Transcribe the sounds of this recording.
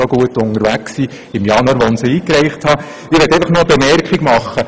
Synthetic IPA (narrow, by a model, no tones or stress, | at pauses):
oɡ̥uətʊnəɾʋæksiː | ɪmjɑnɑːɾʋonsəiːkɾɛɪχthɑ | ɪɾʋɛtɛɪfɑχnoəbemɛɾkχɪɡmɑχːə